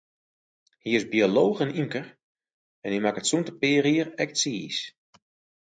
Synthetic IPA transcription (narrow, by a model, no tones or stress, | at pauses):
hiɪzbioloːxənymkər | ɛnhimakətsuntəpɪːriərɛk̚siːs